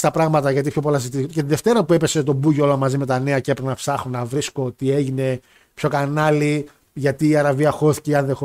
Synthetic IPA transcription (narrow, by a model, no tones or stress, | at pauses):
st̪ɐpɾɐɣmɐt̪ɐʝɐt̪ipço̞po̞lɐszit̪icet̪iðe̞ft̪e̞ɾɐpue̞pe̞se̞t̪o̞buʝoo̞lɐmɐzime̞t̪ɐne̞ɐcepɾinɐpsɐxunːɐvɾisko̞t̪ie̞ʝine̞ | pço̞kɐnɐli | ʝɐt̪iːɐɾɐviɐxo̞θi̥ceiɐnðexo